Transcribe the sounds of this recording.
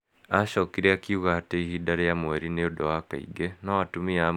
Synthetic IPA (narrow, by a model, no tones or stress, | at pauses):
aʃɔkiɾeakiuɣaːteihidaɾejamwɛɾineodowakaḭɡenawatumia